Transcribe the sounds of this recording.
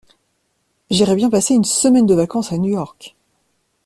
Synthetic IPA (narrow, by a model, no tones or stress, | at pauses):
ʒiʁɛbjɛ̃paseynsəmɛnd̪əvakɑ̃sanyjɔʁk